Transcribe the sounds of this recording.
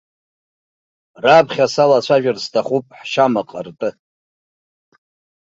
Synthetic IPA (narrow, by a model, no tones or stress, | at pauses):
rapʰχʲasalat͡ɕʷʰaʒᶣarstʰaχʷupʼħʃamaqʼərtʼɨ